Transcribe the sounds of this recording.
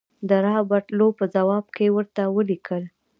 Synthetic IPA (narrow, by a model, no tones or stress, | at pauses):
d̪əɾɑbaʈlopəzawɑb̚kewəɾt̪awəlikʰəl